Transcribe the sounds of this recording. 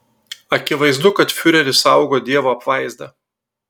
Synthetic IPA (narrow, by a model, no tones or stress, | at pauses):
ɐkʲɪʋɐɪzd̪ʊkɐt̪fʲʊɾʲɛɾʲɪsɐʊɡoːd̪ʲiɛʋoːɐpʋɐɪzd̪ɐ